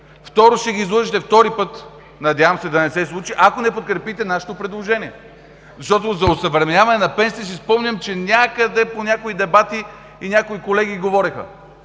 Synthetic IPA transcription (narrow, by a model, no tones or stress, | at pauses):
ft̪ɔɾoʃt̪ɛɡiːzlˠɔʒit̪ɛft̪ɔɾipɤt̪ | nɐd̪ʲjavɐmsɛd̪ɐnɛsɛslˠut͡ʃiʔakonɛpot̪̚kɾɛpit̪ɛnaʃɛ̥t̪opɾɛd̪lˠoʒɛniɛ | zɐʃt̪ɔt̪ozɐosɐvɾɛmnʲavɐnɛnɐpɛnss̬ispɔmnʲɐmt͡ʃɛnʲakəd̪ɛponʲakoid̪ɛbat̪i | inʲakoikolɛɡ̟iɡovɔɾɛxə̰